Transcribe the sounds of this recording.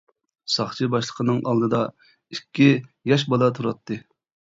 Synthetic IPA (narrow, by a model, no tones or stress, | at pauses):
sɑχt͡ʃʰɨbɑʃlˠəqʰənɨŋʔɑlˠd̪ɨd̪ɑ | ikʲːijɑʃ̬bɑlˠɑt̪ʰuɾɑt̪ʰːɨ